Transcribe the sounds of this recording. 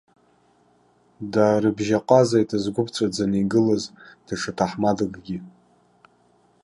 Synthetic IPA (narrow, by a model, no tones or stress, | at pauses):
daɾɨbʒaqʼazajtʰazɡʷʊpʰʼt͡sʷʼad͡zaniɡɨlazd̥aʈ͡ʂʰatʰaħmadɨɡʼɡʲi